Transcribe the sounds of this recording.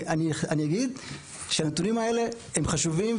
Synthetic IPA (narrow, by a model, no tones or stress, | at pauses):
anianijaɡid̪ | ʃeanetunimae̞le̞ | emχaʃuvim